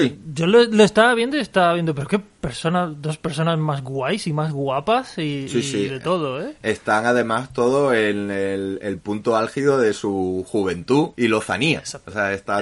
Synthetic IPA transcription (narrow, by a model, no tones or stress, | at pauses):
jɟ͡ʝoleloest̪aβ̞je̞nd̪oiest̪aβjend̪ope̞ɾokepe̞ɾso̞naðo̞spe̞ɾso̞nazmazɣwajsimazɣwapasisisiðet̪o̞ð̞oee̞st̪aŋaðe̞mast̪o̞ðoenelelpunt̪oalxiðo̞ðe̞suxuβ̞e̞nt̪uilo̞θa̰nia̰seaest̪a